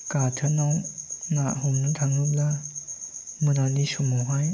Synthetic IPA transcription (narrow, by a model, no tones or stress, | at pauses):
katʰənɔwnaʔɦumnɯtʰaŋɯp̚la | mɯnanisɔmɔwɦaj